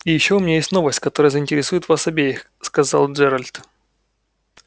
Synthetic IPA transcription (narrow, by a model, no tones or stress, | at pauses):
ijɪɕːoʊmʲɪnʲajesʲtʲno̞vəsʲtʲkɐt̪o̞ɾəjəzəɪnʲtʲɪɾʲɪsujɪt̪vasɐbʲejɪx | skɐzɑ̰lˠʐɛɾəlʲt̪